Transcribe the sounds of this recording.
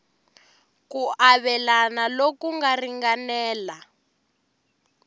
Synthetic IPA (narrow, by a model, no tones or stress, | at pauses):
kuʔaβɛlanalokuŋɡariŋɡanɛːla